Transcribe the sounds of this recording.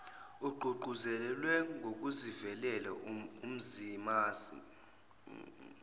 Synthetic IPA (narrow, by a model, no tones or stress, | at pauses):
uɡ͡ǃʱuɡ͡ǃʱuzɛlwɛŋʱok̬ʼuzivɛlɛlaum̩zimaːsi